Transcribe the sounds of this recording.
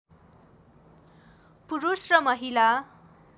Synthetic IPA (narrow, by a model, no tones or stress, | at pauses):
puɾusrʌmʌɦila